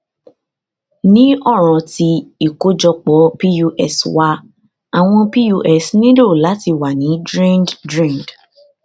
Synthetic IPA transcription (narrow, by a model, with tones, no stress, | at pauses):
nĩ˦ɔ˦˨ɾ̃ɔ̃˨ti˧i˨ko˦d͡ʒɔ˧k͡pɔ˨˦pi˦ju˧ʔɛ˦˨swa˧ | a˨w̃ɔ̃˧pi˦ju˧ʔɛ˦˨snĩ˦lo˦˨la˨˦ti˧wa˨nĩ˨˦dɾĩ˦nddɾĩ˦˨nd